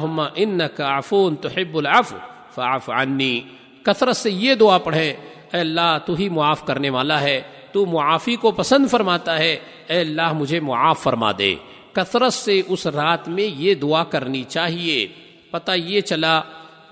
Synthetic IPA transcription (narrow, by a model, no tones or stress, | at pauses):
ɦʊmːaʔɪnːɐkafuːnt̪ʊħɪbːʊlʕɐfw | fɐʕfʕanːiː | kɐt̪ɾət̪sejed̪ʊapɐɽ̤ẽ | ɛːɐlːaːɦt̪uɦimʊaːfkɐɾneʋaːlaɦɛː | t̪umʊaːfikopɐsə̃nd̪fɐɾmaːt̪aɦɛː | ɛːɐlːaːɦmʊd͡ʒʱemʊʕaːfːɐɾma̰ːd̪ḛ̃ː | kɐt̪ɾət̪seʔʊsɾaːt̪mẽjed̪ʊakɐɾnit͡ʃaːɦieː | pɐt̪ajet͡ʃɐlaː